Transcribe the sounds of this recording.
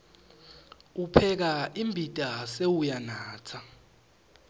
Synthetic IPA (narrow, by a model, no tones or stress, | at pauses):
upʰɛk̬aimbʱitʼasewujanaːtʰa